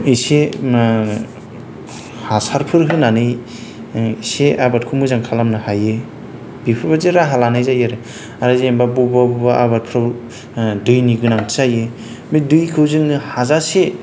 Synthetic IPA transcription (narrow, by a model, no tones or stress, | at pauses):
ise | hasaɾpʰɯɾɦɯnanɯj | seʔabat̚kʰumɯzaŋkʰalamnɯhaje | bipʰɯɾbazeɾaɦalanɯjzajaɾɯ | aɾazembabubabubaʔa̰bat̚pʰɾaw | dɯjniɡɯnaŋʰzaje | medɯjkʰɯwzɯŋnɯhazase